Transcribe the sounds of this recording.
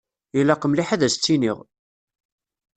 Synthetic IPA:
jilɑqəmliħaðæst͡sːiniʁ

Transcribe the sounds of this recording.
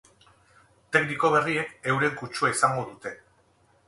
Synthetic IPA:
t̪e̞kniko̞β̞e̞rie̞ke̞wɾe̞ŋkut͡ʃuaisaŋɡo̞ðut̪e̞

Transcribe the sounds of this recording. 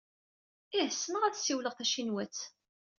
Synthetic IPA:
ihəsːənəʁæðsiwləʁθæʃinwæt͡s

